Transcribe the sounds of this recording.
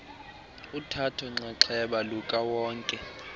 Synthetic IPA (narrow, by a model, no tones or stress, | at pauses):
utʰatʰɔŋ͡ǀaǁʰɛɓalukʼawɔːŋkʼɛ